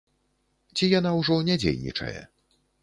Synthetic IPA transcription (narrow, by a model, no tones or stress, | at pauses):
t͡sʲijanawʐɔnʲad͡zʲḛjnʲḭt͡ʂɐ̰jɛ̰